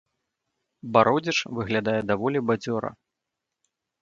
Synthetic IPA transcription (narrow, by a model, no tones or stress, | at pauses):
baɾɔd͡zʲɛt͡ʂvɨɣlʲad̪ajɛd̪avɔlʲibad͡zʲɔɾɐ̰